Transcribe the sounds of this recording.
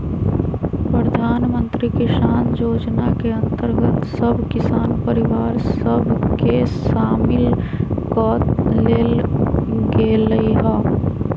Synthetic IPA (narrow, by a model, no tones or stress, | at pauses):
pɾəd̪ʱaːnmə̃nt̪ɾikɪʃaːnjoːd͡ʒnakeɐ̃nt̪əɾɡət̪səbʱkɪsaːnpəɾɪʋaːɾsəbʱkeʃaːmɪlkɔt̪leːl | ɡeːləiɦaː